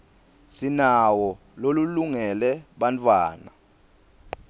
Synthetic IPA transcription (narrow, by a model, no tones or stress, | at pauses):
sinawɔ | loluluŋɛlɛɓant͡fʰʼwaːna